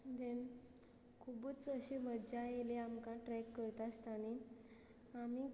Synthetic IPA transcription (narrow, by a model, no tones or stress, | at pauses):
d̪en | kʰubut͡səɕemədd͡ʑajeleamkãʈɾɛkːəɾt̪ast̪ani | ami